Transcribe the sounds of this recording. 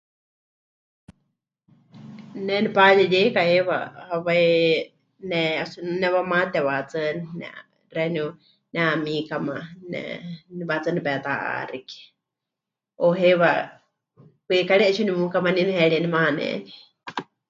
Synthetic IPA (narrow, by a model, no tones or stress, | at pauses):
nɛnipaliɺikahewa̰haβai | nɛasunɛwamat̪ɛwat͡sɨninɛ̰ | rɛnu | nɛamikamanɛ̰nβat͡sɨnipɛt̪aʔa̰riki̥ | oɦewa | kwekaɺɛɛt͡ʃʰunimukamaninihɛɺiɛnimaanɛ̰ni̥